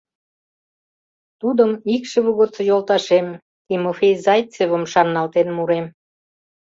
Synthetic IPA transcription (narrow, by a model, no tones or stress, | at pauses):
t̪ud̪əmikʃeβuɣot̪t͡sɤ̆jolt̪ɑʃem | t̪imofʲejzɑjt͡seβəmʃɑnːɑlt̪enmuɾem